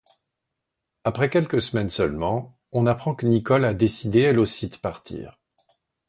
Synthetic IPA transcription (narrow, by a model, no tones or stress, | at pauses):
apχɛkʲɛlkəsəmɛnsœlmɑ̃ | ɔ̃napχɑ̃kənikɔlad̪esid̪eɛlosid̪əpaʁt̪ʰḭːʁ